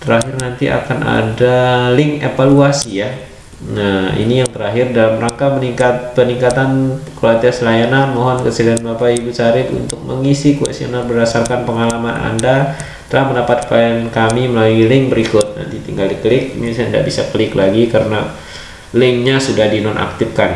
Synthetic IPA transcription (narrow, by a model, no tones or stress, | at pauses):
t̪əɾaɦɪrnant̪iʔa̰kanʔa̰dalɪŋepaluasija | aḭnijaŋt̪əɾaɦɪrdalamraŋkamənikat̪̚pəniŋkat̪ankolat̪iasəlajananmoɦɔnkəsəlianbapaibut͡ʃaɾɪpṵnt̪ʊk̚mə̰ŋisikuɛ̰sio̰nalbərdasarkanpəŋalamana̰nda | t̪əlahməndapat̪̚paɛnkamiməlalilɪŋbəɾikʊt̪̚na̰nt̪it̪iŋɡaldikəlɪk̚misanda̰ʔbisakəlɪklaɡikaɾəna | lɪŋɲasudahdinɔnʔa̰k̚t̪ɪfkan